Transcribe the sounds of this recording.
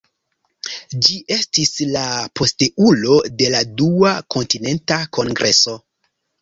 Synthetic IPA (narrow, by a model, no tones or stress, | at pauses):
d͡ʒiʔe̞stislapo̞steʔulo̞de̞laduakʰo̞ntine̞ntakʰo̞ŋɡɾʔe̞so̞